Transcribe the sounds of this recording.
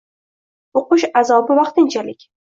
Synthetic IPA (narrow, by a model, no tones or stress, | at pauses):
oqʊʃazɒbɪvɑqt̪ɪnt͡ʃʰalɪkʲ